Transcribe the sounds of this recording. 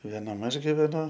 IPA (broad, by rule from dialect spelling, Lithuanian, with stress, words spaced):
ʋʲeːˈnɐm ˈɐʃ ɡʲɪʋʲɛˈnʊ